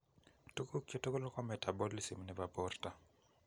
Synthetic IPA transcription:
to˦ko˦kjo˦to˦ko˦lo˦kɔ˦mɛ˨ta˨bɔ˦li˦si˨mnɛ˦va˨pɔrta˨

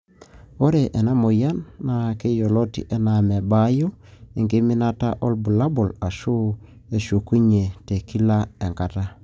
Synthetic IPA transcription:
o˦ɾe˨ʔe˨na˦mo˨ja˦nːa˨ke˦jo˨lo˦tḭ˨ʔɛ˦na˨me˨ba˦jo˦i˨ŋɡe˦mɪ˦na˦ta˦ʔɔ˦lbu˨la˦bo˨la˨ʃu˦ | e˨ʃo˨ku˦ɲe˨te˨ki˦la˦e˨ŋka˨ta˦

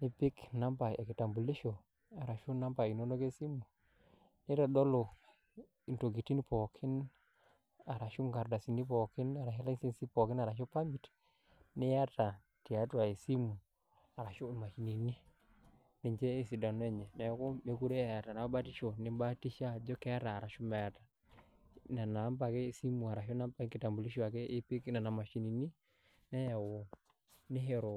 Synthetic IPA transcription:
ni˦pi˦kna˦mpa˨e˨ki˨ta˨mbu˨li˦ʃo˨ | a˨ɾa˨ʃu˦na˦mpa˨i˨no˦no˦ke˦si˦mu˨ | ni˦ɾa˨dɔ˦lo˨ | i˨nto˨ɡi˨ti˦ni˦pɔ˨kʰi˦n | a˨ɾa˨ʃu˦ŋɡa˨ɾda˨si˨ni˦pɔ˨kɪ˦na˨ɾa˨hi˦la˦nsi˦nsi˦pɔ˨kɪ˦na˨ɾa˨ʃɔ˦pa˦mbi˨t | nɪ˦ja˦ta˨ | ti˨a˦twa˨i˨si˦mu˨ | a˨ɾa˨ʃɔ˦˨ma˨ʃi˨ni˨ni˦ | ne˨ɲd͡ʒɛ˦e˦˨si˨da˨n˦ɛ˦ɲɛ˨na˨jɔ˦kɔ˦me˦ku˦ɾɛ˦a˨ja˨ta˨na˨˦ba˦ti˦ʃɔ˨ne˦ba˦ti˦ʃa˦d͡ʒɔ˦kɛ˦a˦taː˨ɾa˨ʃo˦ma˨ja˨ta˨ | na˨na˨˦mpa˨kɛː˦˨si˦mu˨a˨ɾa˨ʃɔ˦na˦mpa˦i˦ke˨ta˨mbu˨li˦ʃwa˨kɛ˦ʔe˦pe˦ki˦na˨na˨ma˨ʃi˨ni˨ni˦ | na˦ja˨wɔ˨ | ne˦ɦɛ˨ɾɔ˨

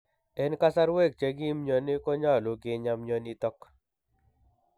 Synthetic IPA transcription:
ɛ˦nka˦sa˦ɾwe˦˨k̚t͡ʃe˦ɡi˦mɲo˨nɪ˦kɔ˦ɲa˦˨lʊ˨ɡɪ˨ɲa˦mɲo˦ni˦t̪ɔ˦k

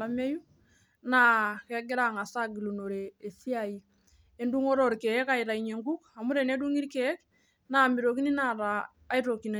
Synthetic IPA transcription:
a˦me˦ju˦ | na˦ke˦ɡɪ˦ɾa˦ŋa˨sa˦ɡi˨lu˨no˨ɾeː˨si˦a˨i˨ | e˦ndu˦ŋo˦ɾo˨ɾke˨ɛ˦ka˦i˨ɾa˨i˨ɲe˨ŋku˦ka˨mu˦ɾe˨ne˦du˦ŋi˦ɾke˨ɛ˦k̚ | na˨mi˨ɾo˨ki˦ni˦na˦ɾaː˨˦ | i˦ɾo˨ki˨n˨

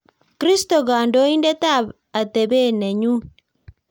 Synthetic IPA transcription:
kɾi˦sto˨ɣaː˨ndo˦i˦nde˦ta˦˨β | a˨te˨βe˦ne˨ɲu˦

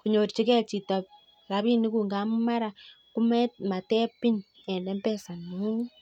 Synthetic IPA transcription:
ku˨ɲo˨ɾt͡ʃi˦kɛ˦t͡ʃi˨ta˨ | ra˦βi˦ni˦ku˨ŋɡa˦m˦ma˦ɾa˨ku˦mɛt̚ma˨tɛ˦pi˦ɲ | ɛ˨ndɛ˦mpɛ˦sa˨n˨u˦ŋi˦

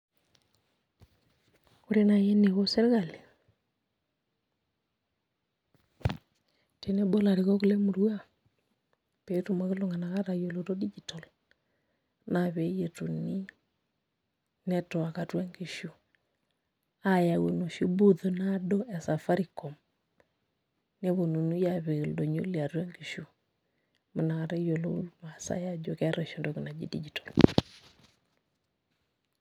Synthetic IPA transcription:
o˦ɾe˦na˨jɛ˦ne˨ɣo˦sɛ˦ɣa˨le˨ | te˨ne˦bɔ˦la˨ɾe˨ɣɔ˦ku˦lɛ˦mu˨ɾu˦a˦˨ | pe˨to˨ma˦ɣe˦lo˨ŋɡa˨na˨ka˦ɾa˨jɔ˨lo˨tɔ˦di˦d͡ʒi˨tɔ˨l | na˨βɛ˨˦je˨to˨ni˦ | nɛ˦tɔ˨a˨ka˨twa˦ŋɡi˨ʃu˨ | a˦ja˨wo˨no˨ʃu˦bu˦ðo˨na˦dɔ˦ʔɛ˨sa˨fa˦ɾi˨kɔ˨m | ne˦βo˨nu˨nu˦ja˦˨βe˨ldo˨ɲo˦li˨a˨twa˦ŋɡi˨ʃu˨ | ma˨na˨ka˨ɾa˦jo˨lo˦ma˨sa̰˦ja˦d͡ʒo˨ka˦ɾɔ˨ʃi˨ndo˦ki˨na˨d͡ʒḭ˦dḭ˦d͡ʒi˨tɔ˨l

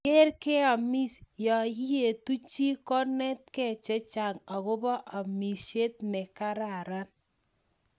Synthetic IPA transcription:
ke˦ɾke˦a˨mi˦sjɔ˨i˦je˨tu˦t͡ʃi˦kɔ˦nɛ˦t̚kɛ˦˨t͡ʃɛ˦t͡ʃa˨ŋa˨ɣʊ˦bɔ˦ʔa˨mi˨se˦t̚nɛ˨ka˦ɾa˨ɾa˦n

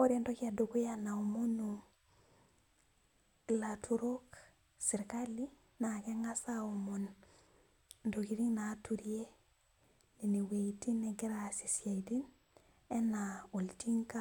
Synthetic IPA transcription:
o˦ɾe˦ndo˦ki˦a˨do˨ku˦ja˦na˨omo˦nu | la˨tʰu˨ɾo˦k | si˨ɾkali˦ | na˨ke˦ŋa˦sao˨mo˨n | ndo˨ki˦ɾi˦ŋnatu˨ɾie˦ | ni˨ni˨we˨iti˦ne˨ɡi˦ɾa˨si˨sja˨idi˦n | e˦na˨o˨lti˦ŋka˦

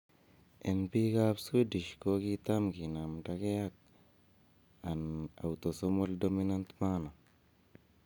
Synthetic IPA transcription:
ʔe˨npi˦ka˦psu˦di˨ʃko˦ki˦t̪amɡi˨na˨mdaɡe˦ja˦k̚ | a˨na̰˨wt̪o˨somo˦ldomina˦nt̪ma˦na˨

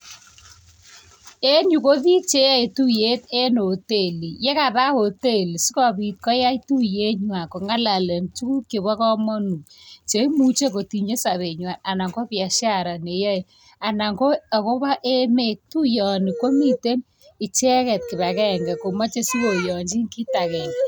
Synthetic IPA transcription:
e˦ɲu˨ko˦ði˦t͡ʃe˦ja˦e˨tu˦je˦te˦no˨te˦˨li˨je˦ka˨ða˦ho˨te˦˨li˨si˦kɔ˨bi˨t̚kɔ˦ja˦i˦tu˦je˦ɲwa˨ko˨ŋa˦la˨le˨mt͡ʃu˦ku˦ke˨βa˦kɔ˦mɔ˦nu˨k̚t͡ʃe˦i˦mu˦t͡ʃe˦ko˨ti˨ɲe˦sa˨βe˨ɲwa˨na˨na˨ŋɡo˦pja˨ʃja˦˨ɾa˨ne˨ja˦e˨ | a˨na˨ŋɡo˦a˨ko˦ba˦ʔe˦me˦˨k̚tu˦jɔ˨ni˨ko˦mi˦˨te˦m | ɪ˨t͡ʃɛ˦kɛ˨t̚kɪ˨βa˨kɛ˦˨ŋɡɛ˨ko˨ma˦t͡ʃe˦si˦ko˨jɔ˨ɲd͡ʒi˦ŋki˦ta˨kɛ˨n

